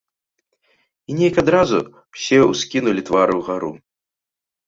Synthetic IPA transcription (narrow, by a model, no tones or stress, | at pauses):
inʲɛjɐkad̪ɾazu | w̥sʲɛuskʲinulʲit̪vaɾɨwɣaɾṵ